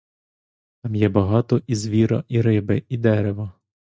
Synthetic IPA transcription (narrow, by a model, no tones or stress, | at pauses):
t̪ɑmjɛbɐɦɑt̪ɔʔizʋʲiɾɐ̰ʔiɾɪbɪid̪ɛɾeʋɐ